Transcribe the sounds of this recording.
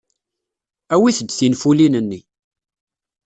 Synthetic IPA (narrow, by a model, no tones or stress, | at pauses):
æwiθəd̪ːθinfulinənːi